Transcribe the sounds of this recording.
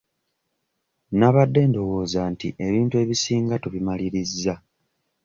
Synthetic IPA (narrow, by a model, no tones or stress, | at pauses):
naβadːe̞ːndo̞wo̞ːzaːntḭʔe̞βiːntue̞ːβisiːŋɡatuβimaliɾizːa